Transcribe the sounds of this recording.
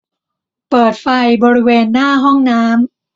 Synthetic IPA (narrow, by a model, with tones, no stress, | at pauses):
pɤː˨˩t̪̚fa˧jbɔː˧ɾi˦˥weː˧nːaː˥˩ɦɔ˥˩ŋnaː˦˥m